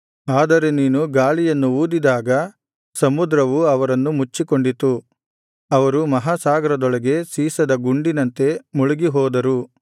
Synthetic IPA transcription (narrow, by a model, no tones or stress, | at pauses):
aːd̪ɐɾe̞niːnuɡaːɭijɐnːuuːd̪id̪aːɡɐ | sɐmud̪ɾɐʋuɐʋɐɾɐnːumut͡ʃːikoɳɖit̪u | ɐʋɐɾumɐɦaːsaːɡɐɾɐd̪ɔɭɐɡe̞siːsɐd̪ɐɡuɳɖinɐnt̪e̞muɭuɡiɦɔːd̪ɐɾu